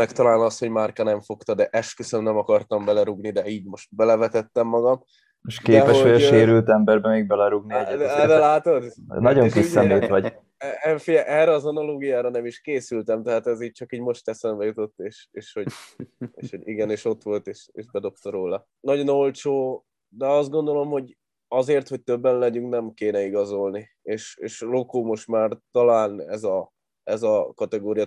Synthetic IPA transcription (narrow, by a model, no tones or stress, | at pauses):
mɛkt̪ɒlaːlnɒst̪ho̞ɟmarkanɛɱfo̞kt̪ɒd̪ɛʔɛʃkøsømnɛmɒkɒrt̪ɒmbɛlɛɾuɡnid̪ɛiːɟmo̞ʃt̪̚bɛlɛvɛt̪ɛt̪ːɛmːɒɡɒm | eʃkeːɛpɛʃoʃeːɾylt̪ɛmbɛrbɛmeːɡ̚bɛlɛɾuɡniɛd̪d̪ɛlaːt̪od̪nɒɟo̞ŋkisːɛmeːʋɒɟ | ɛfijɛʔɛːrɛɒzɒnɒloːɡijaːɾɒnɛmiʃkeːsylt̪ɛmt̪ɛɦaːt̪ɛziːc̚t͡ʃɒkiːɟmo̞ʃt̪ɛsɛmbɛjut̪o̞t̪ːeːʃeːʃho̞ɟḛːʃho̞ɟiɡɛneːʃo̞t̪ʋo̞lt̪eːʃḛːʒbɛd̪o̞pt̪ɒɾoːlɒ | nɒɟo̞no̞lt͡ʃoː | d̪ɛɒzd̪̚ɡo̞nd̪o̞lo̞mho̞ɟ | ɒzeːrt̪ho̞c̚t̪øbːɛnlɛɟyŋknɛmkeːnɛiɡɒzo̞lni | eːʃeːʃlokoːmo̞ʃt̪maːrt̪ɒlaːnɛzɒ | ɛzɒkɒt̪ɛɡoːɾijɒ